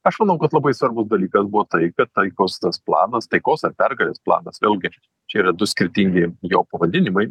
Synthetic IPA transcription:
ɐʃmɐnɐʊkɐt̪lˠɐbɐɪsʋɐrbʊsd̪ɐlʲiːkɐsbʊʋoːt̪ɐɪkɐt̪t̪ɐɪkoːst̪ɐsplˠɑ̰ːnɐst̪ɐɪkoːsɐrpʲɛrɡɐlʲeːsplˠɑ̰ːnɐsʋʲeːlʲɡʲɪ | t͡ʃʲɛiːɾɐd̪ʊsʲkʲɪɾʲt̪ʲɪŋʲɡʲɪjoːpɐʋɐd̪ʲɪnʲɪmɐɪ

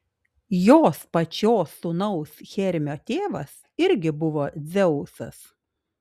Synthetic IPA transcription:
joːspɐt͡ʃʲoːsʊnɐʊsxʲɛɾʲmʲoːt̪ʲeːʋɐs | ɪɾʲɡʲɪbʊʋoːd̪zʲɛʊsɐ̰s

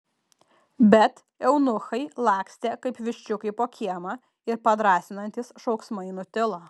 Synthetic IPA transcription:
bʲɛt̪ | ɛʊnʊxɐɪlˠɑːksʲt̪ʲeːkɐɪpʋʲɪʃʲt͡ʃʲʊkɐɪpoːkʲʰiɛmɐ | ɪɾpɐd̪ɾɑːsʲɪnɐnʲt̪ʲisʃɒʊksmɐɪnʊt̪ʲɪlˠoː

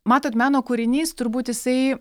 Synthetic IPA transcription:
mɑːt̪oːt̪mʲæːnoːkʊːɾʲɪnʲiːst̪ʊɾbuːt̪jɪsɐɪ

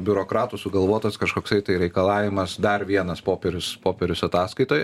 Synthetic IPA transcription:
bʲʊɾoːkɾɑːt̪usʊɡɐlˠʋoɔt̪ɐskɐʃkoːksɐɪt̪ɐɪɾʲɛɪkɐlˠɑːʋʲɪmɐsd̪ɐrʋʲiɛnɐspoːpʲɛɾʲʊspoːpʲɛɾʲʊsɐt̪ɑːskɐɪt̪oːjɛ

